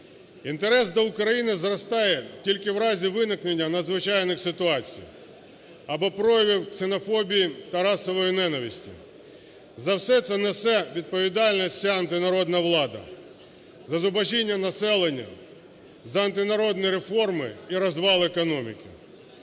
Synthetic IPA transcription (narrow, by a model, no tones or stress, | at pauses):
int̪eɾɛs̬d̪ɔʊkɾɐjinɪzrɔst̪ɑjɛtʲilʲkɪwɾɑzʲiʋɪnɪknenʲːɐnɐd̪zʋɪt͡ʃɑjnɪxsɪt̪ʊɑt͡sʲḭj̰ | ɐbɔpɾɔjɐʋʲɪwksenɔfɔbʲijit̪ɐɾɑsɔʋɔjinɛnɐʋʲisʲtʲḭ | zɐwsɛt̪sɛnɛsɛʋʲid̪̚pɔʋʲid̪ɑlʲnɐt͡sʲaɐnt̪ɪnɐɾɔd̪nɐʋlˠɑd̪ɐ̰ | zɐzʊbɐʒinʲːɐnɐsɛlˠenʲːɐ̰ | zɐɐnt̪ɪnɐɾɔd̪nʲiɾefɔrmɪiɾɐzʋɑlˠekɔnɔmʲḭkʲɪ̰